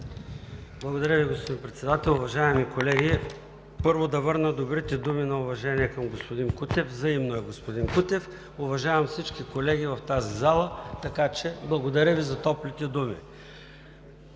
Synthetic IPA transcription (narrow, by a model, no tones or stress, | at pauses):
blˠɐɡod̪ɐɾʲəviɡospod̪inpɾɛt̪sɛd̪at̪ɛlˠʊvɐʒaɛmikolɛɡʲi | pɤɾvod̪ɐvɤɾnəd̪obɾit̪ɛd̪uminɐʊvɐʒɛniɛkɐmɡospod̪inkut̪ɛfzɐimnoɛɡospod̪inkut̪ɛf | ʊvɐʒavɐmfsit͡ʃkikolɛɡivɐft̪azizalˠət̪ɐkat͡ʃɛblˠɐɡod̪ɐɾʲəvizɐt̪ɔplʲit̪ɛd̪umḭ